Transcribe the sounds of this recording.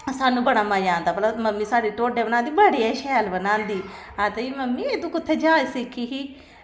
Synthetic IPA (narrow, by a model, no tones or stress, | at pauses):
saːnːũːbəɽ̃aːmaːd͡ʒãːnd̪aːbəlaməmːiːsaːɽeːʈoːɖeːbənaːnd̪iːbəɽiːɛʃɛːlbənãːnd̪iː | at̪ẽiːməmːĩːed̪ũːkʊt̪ʰːeːd͡ʒãːsɪkʰːiːɦiː